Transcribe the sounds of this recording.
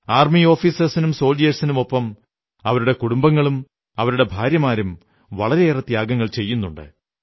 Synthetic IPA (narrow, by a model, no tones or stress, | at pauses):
aːrmio̞ːfiːsɐsinumso̞ːld͡ʑijɐsinumo̞pːɐm | ɐʋɐɾuɽe̞kuɽumbɐŋːɐɭum | ɐʋɐɾuɽe̞bʱaːɾjɐmaːɾum | ʋɐɭɐɾe̞ːrɐt̪ːjaːɡɐŋːɐɭt͡ɕe̞jːunːuɳɖɨ̰